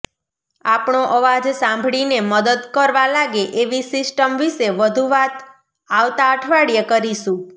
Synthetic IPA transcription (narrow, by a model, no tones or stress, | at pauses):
apɳoʔəʋad͡ʒsãmbʱɭineməd̪əd̪kəɾʋalaɡeʔeʋisɪsʈəmʋiʃeʋəd̪ʱuʋat̪ | aʋt̪aəʈʰʋaɽjəkəɾiʃũ